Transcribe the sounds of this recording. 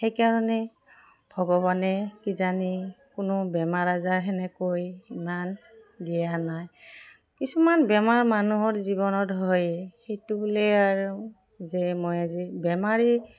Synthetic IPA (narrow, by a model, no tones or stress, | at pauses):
xejkaɹɔnɛ | bʱɔɡɔβanɛkizanikʊnʊbɛmaɹazaɹɦɛnɛkojiman | dijanaj | kisumanbɛmaɹmanuɦɔɹziβɔnɔtɦɔjxejtubulɛaɹu | zɛmojazibɛmaɹi